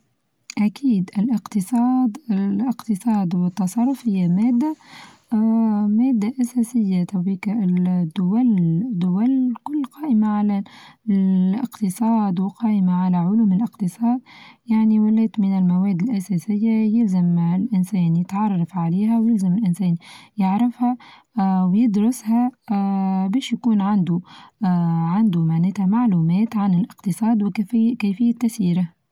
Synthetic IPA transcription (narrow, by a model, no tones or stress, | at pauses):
ʔakʰiːd̪ʔɪlʔɪqt̪ɨsˤɑːd̪lɪqt̪ɨsˤɑːd̪wɪt̪ːɑsˤɑrˤːʊfhɪjːameːd̪ːa | meːd̪ːaʔaseːsɪjːat̪ʰawiːkaʔd̪ːʊwald̪ːʊwalkʊlːqɑːʔɪmaʕala | ɪ̰qt̪ɨsˤɑːd̪wɪqɑːʔɪmaʕalaʕʊluːmɪlʔɪqt̪ɨsˤɑːd̪jaʕniwaleːt̪mɪnɪlmaweːd̪ɪlʔasaːsɪjːajɪlzamɪlʔɪnseːnjɪt̪ʕɑrˤːɑfʕaleːɦawjɪlzamɪlʔɪnseːnjɪʕɾɪfha | wjɪd̪ɾʊsha | beːʃjakuːnʕand̪u | ʕand̪umaʕneːt̪hamaʕluːmeːt̪ʕanɪlʔɪqt̪ɨsˤɑːd̪wɪkfːkaːfɪjːat̪ːasiːɾa